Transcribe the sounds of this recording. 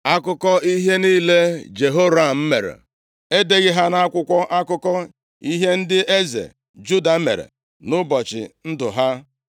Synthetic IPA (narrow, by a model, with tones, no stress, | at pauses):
a˦kʊ˦kɔ˦i˦ɦe˦niː˦le˦d͡ʒe˨ɦo˦ɾa˦˨m̩˦me˨ɾḛ˨ | e˦de˦ɣɪ˦ɦa˦na˦kʷʊ˦kʷɔ˦ʔa˦kʊ˦kɔ˦ | i˦ɦe˦n̩˦dɪ˦e˦zḛ˨ | d͡ʒu˦da˨˦mḛ˨ɾḛ˨ | nʊ˦bɔ˨t͡ʃɪ̰˨n̩˦dʊ̰˨ɦa˦